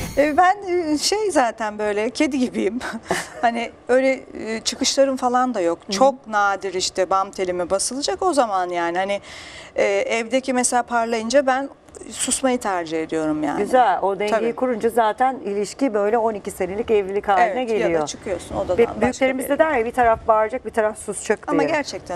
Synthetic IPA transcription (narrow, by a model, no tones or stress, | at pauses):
ɛbænʃejzaːt̪ʰænbø̞jlʲɛcʰe̞d̪iɟibijimhanɪbø̞jlʲɛt͡ʃʰɯkɯʃlˠaɾɯmfalˠand̪ajo̞kt͡ʃʰo̞k̚naːd̪iɾiʃt̪ʰɛbamt̪ʰe̞lʲimɛbasɯlˠɯd͡ʒako̞zamanjaːnihanɪɛːʔɛvd̪ecʰimɛselaːpʰaɾlˠajɯnd͡ʒabæn | susmajɯt̪ʰæɾd͡ʒiɦe̞d̪ijo̞ɾumja̰ːnyzælʲod̪ɛabikʰuɾund͡ʒazaːt̪ʰænilʲiʃcibø̞jlʲɛo̞nicise̞nelʲicɛvlʲilʲikaevɛnɛɡeljaij̪aot͡ʃʰɯ̥kʰɯjo̞suno̞d̪ad̪a̰mbyjyʃlʲeɾimizd̪ɛd̪æɾjabit̪ʰaɾafbaːɾd͡ʒak̚bit̪ʰaɾafsust͡ʃʰɯk̪̚aimaɡæɾt͡ʃʰɛc̚t̪ʰæn